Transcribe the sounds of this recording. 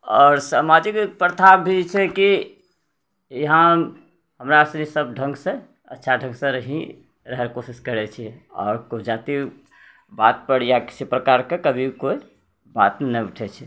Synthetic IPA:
ɔːɾsamad͡ʒikpɾət̪ʰabʱit͡ʃʰɛki | jəɦã | ɦəmɾasnisəb̚ɖʱə̃ŋɡsẽ | ə̰tːʃʰaɖʱə̃ŋɡsə̃ɾəɦĩ | ɾəɦɛɾkosiskəɾɛt͡ʃʰiɔ̰ːɾkod͡ʒat̪i | bat̪̚pəɽjaki̥sipɾəkaɾkekəbʱikoi | bat̪nɛuʈʰɛt͡ʃʰɛ

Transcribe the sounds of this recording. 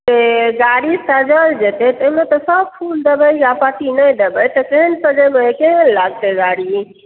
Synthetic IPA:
t̪eɡaɽisad͡ʒəld͡ʒet̪et̪əimet̪ɔsəb̚pʰuld̪ebəjjapaʈ̪inəjd̪ebəjt̪ɔkeɦənsəd͡ʒemekeɦənlaɡ̚t̪eɡaɽi

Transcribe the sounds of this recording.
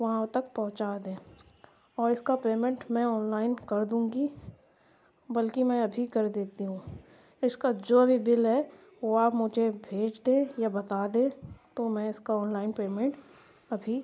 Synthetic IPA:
ʋɐɦãt̪ɐk̚pɔ̃ɦʊ̃t͡ʃaːd̪ẽː | ɔːɾɪskapeːmɛ̃ɳʈmɛ̃ɔːnlaːɪnkɐɾd̪ũːɡi | bɐlkimɛ̃ɐbʱikɐɾd̪eːt̪iɦũː | ɪskad͡ʒoːɐbʱibɪlɦɛ | ʋoaːpmʊd͡ʒʱebʱeːd͡ʒd̪ẽjabɐt̪aːd̪ẽːt̪omɛ̃ɪskaɔːnlaːɪnpeːmẽɳʈ | ɐbʱi

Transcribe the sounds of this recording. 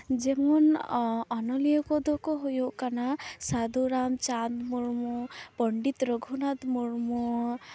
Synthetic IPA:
d͡ʒemɔnɔnɔlijɔkɔd̪ɔkɔɦujuʔkanasad̪uɾamt͡ʃand̪muɾmɔpɔɳɖit̪ɾɔɡʱunad̪muɾmɔ

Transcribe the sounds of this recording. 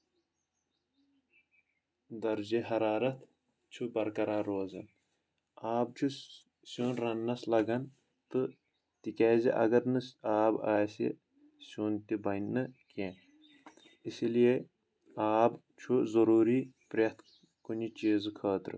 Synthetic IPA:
d̪ɐɾd͡ʒeɦɐɾaːɾɐt̪ | t͡ʃʰubɐɾkɐɾaːɾoːzɐn | aːb̚t͡ʃʰu | suːnɾɐnːɐslɐɡɐn | t̪ɨ | t̪ikʲaːziʔɐ̰ɡɐɾnɨsaːbaːsḭ | suːnt̪ibɐjnːɨkẽː | isilije | aːb | t͡ʃʰuzɐɾuːɾiːpɾʲɐt̪ | kunit͡ʃeːzɨkʰaːt̪ɾɨ̰

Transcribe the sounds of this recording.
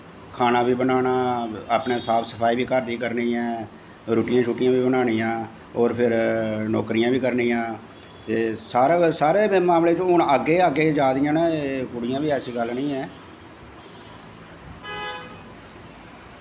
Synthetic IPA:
kʰaːnaːbiːbənaːnaːaːpneːsaːpsə̥pʰaːiːbiːkəɾd̪iːkəɾnĩːɛ̃ː | ɾuːʈɪjãːt͡ʃʰuːʈɪjãːʋiːbənaːniːãː | ɔːɾpʰɪɾnɔ̰ːkɾɪjãːbiːkəɾnĩːãː | t̪eːsaːɾeːsaːɾeːmaːmleːt͡ʃõɦʊɳəɡːeːəɡːeːd͡ʒaːd̪ɪjãːnɛ̃ːkʊɽɪjãːbiːɛːsiːɡəlːnĩːɛː

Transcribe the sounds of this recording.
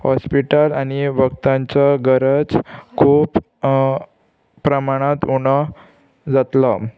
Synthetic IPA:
hɔspiʈalaɽ̃iʋəkt̪ãɲt͡saɡəɾəd͡zkʰuːp | ɾəmaɽ̃ãt̪uɽɔ | d͡zat̪la

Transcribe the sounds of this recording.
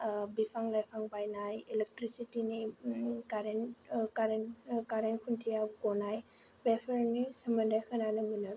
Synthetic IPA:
bipʰaŋlajpʰaŋbajnajelek̚tɾisitinikaɾenkaɾenkaɾenkʰuntʰijakɔnaj | bepʰeɾnisɐmɐndajkʰɯnanɯmuna

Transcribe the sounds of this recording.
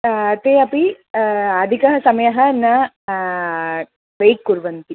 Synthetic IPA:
ɐt̪eːɐpi | ɐd̪ʱikɐɦɐsɐmɐjɐɦɐnɐ | ʋejkːuɾʋɐnt̪i

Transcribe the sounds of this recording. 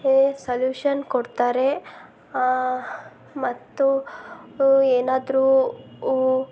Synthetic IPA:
esɐljuːʂɐnkoɽt̪aːɾe | mɐt̪ːu | eːnaːd̪ɾuː

